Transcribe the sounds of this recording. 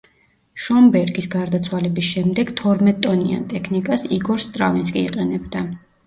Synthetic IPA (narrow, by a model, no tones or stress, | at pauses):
ʃɔmbɛɾɡisɡaɾd̪at̪sʰwalɛbisʃɛmd̪ɛɡ̥t̪ʰɔɾmɛt̪ʼɔnia̰nt̪ʼɛkʰnikʼasiɡɔɾst̪ʼɾa̰vinskʼiiqʼɛnɛbd̪a